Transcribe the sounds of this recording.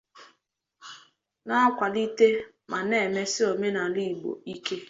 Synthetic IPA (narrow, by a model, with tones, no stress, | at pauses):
na˦kʷa˨li˦te˦ | ma˨ne˦˨me˦sɪ˦o˨me˦na˨li˦˨ɡ͡bo̰˨i˦ke˦